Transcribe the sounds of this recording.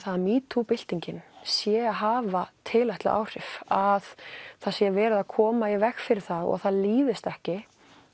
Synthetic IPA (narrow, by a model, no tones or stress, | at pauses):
θaðmiːt̪ʰupɪl̥t̪iɲcɪnsjɛaɦaːvat̪ʰɪlaht̪la̰ʔa̰ːwr̥ɪfaðθasjɛvɛːɾɪðakʰɔːmaivɛxfɪɾɪɾ̥θaðɔ̰ɣθaðliːðɪst̪ɛhcɪ